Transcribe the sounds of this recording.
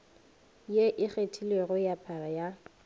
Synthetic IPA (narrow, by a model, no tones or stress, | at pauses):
jeʔɪχetʰileɣʊjapʰaraja